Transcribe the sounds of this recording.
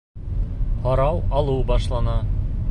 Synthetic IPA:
hɒɾɑwɑlˠubɑʃlˠɑnɑ

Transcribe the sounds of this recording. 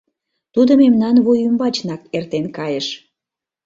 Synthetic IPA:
t̪ud̪əmemnɑnβujymbɑt͡ɕnɑkert̪enkɑjeʃ

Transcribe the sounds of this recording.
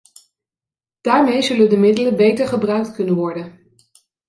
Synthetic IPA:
d̥aːɹmejzɵləndəmɪdələbejtəɹχəbrœɥk̚tkɵnənʋɔɹdən

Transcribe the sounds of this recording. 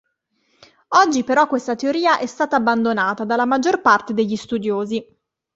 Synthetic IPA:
ɔd͡ʒːipeɾɔkːwest̪at̪eoɾiːaʔɛst̪aːt̪aːbːand̪onaːt̪ad̪alːamad͡ʒːorpart̪ed̪eʎːist̪ud̪joːzi

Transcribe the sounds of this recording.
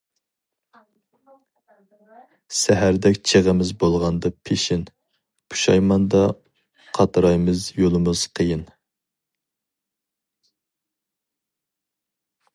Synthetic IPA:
sæɦæɾd̪ɛkʲt͡ʃʰeʁəmɪzbolˠʁɑnd̪ɑpʰeʃɪn | pʰu̥ʃɑjmɑnd̪ɑ | qʰɑt̪ʰɾɑjmɪzjolˠɨmɨz̥qʰəjɪn

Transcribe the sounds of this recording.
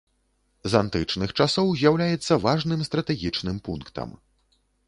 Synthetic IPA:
zant̪ɨt͡ʂnɨxt͡ʂasɔwzʲjawlʲajɛt̪sːɐvaʐnɨmst̪ɾɐt̪ɛɣʲit͡ʂnɨmpunkt̪ɐ̰m

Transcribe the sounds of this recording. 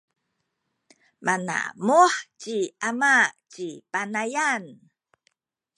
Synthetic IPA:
mʔana̰muħt͡ɕiʔamat͡ɕipanajan

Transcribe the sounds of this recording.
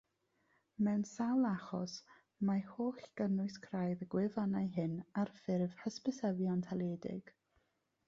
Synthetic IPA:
mɛwnsawlˠaχɔ̰s | mahoːɬɡ̥ənʊɨskʰrajðəɡwɪvanajɦɨnarfɪrv̥həspəsɛvjɔntʰalˠeːdɪ̰ɡ̥

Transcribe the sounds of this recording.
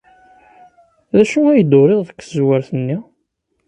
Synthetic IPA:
ðæʃuæjəd̪ʊɾeðˤðəkːəzwəɾθənːi

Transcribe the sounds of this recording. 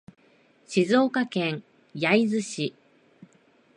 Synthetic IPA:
ɕizo̞ːkakẽ̞ɰ | jaizɨɕi

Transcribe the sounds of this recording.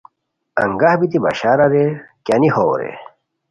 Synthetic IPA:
ɐ̰ŋɡahbit̪ibɐ̰ɕaːɾaɾekanihoːɾḛ

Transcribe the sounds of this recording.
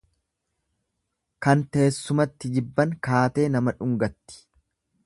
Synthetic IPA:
kɐnt̪e̞ːsːʊmɐt̪ːɪd͡ʒɪbːɐŋkaːt̪e̞ːnɐmɐᶑʊŋɡɐt̪ːɪ̥

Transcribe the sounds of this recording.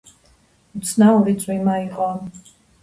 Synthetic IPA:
ut̪sʰnauɾit̪sʼwimaiqʼɔ

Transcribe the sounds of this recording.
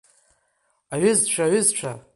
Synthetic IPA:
aɥʏzt͡ʃʷʰaɥʏzt͡ʃʷʰa

